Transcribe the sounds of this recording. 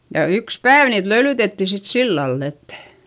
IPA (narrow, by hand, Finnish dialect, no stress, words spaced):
jɑ yks pæːʋ niːt løylytetːi sit silːɑlː etːæ̥